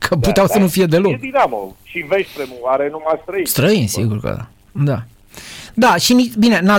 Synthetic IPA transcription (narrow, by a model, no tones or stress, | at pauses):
kʰəp̪ut̪eawsənufije̞d̪e̞lokd̪inamo̰ʃiveʃʲpɾemuvaɾenumast̪ɾəist̪ɾəinsḭɡurkə̰ | d̪a | d̪aʃinibine̞na